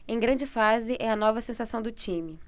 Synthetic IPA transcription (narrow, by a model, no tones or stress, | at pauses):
ẽj̃ɡɾɐ̃nd͡ʒɪfazɪʔɛɐnɔvɐsẽsasɐ̃w̃d̪ʊt͡ʃĩmɪ